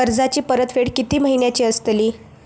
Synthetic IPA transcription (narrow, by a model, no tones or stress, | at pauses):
əɾd͡zat͡ɕiːpəɾət̪feɽkit̪iːməɦiɳjat͡ɕiːəst̪liː